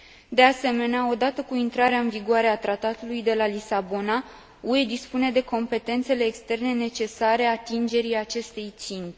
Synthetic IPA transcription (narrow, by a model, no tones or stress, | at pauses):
d̪e̞ase̞me̞neao̞d̪at̪əkuint̪ɾaɾeaɨnviɡuaɾe̞at̪ɾat̪at̪ulujd̪e̞lalisabo̞na | ue̞d̪ispune̞d̪e̞ko̞mpe̞t̪e̞nt̪se̞le̞ːkst̪e̞rne̞ne̞t͡ʃe̞saɾe̞at̪ind͡ʒe̞ɾiat͡ʃe̞st̪e̞jt̪sint̪e̥